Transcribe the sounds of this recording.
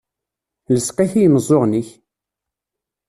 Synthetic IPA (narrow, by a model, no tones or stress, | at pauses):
ləsqæçijməzˤːoʁniç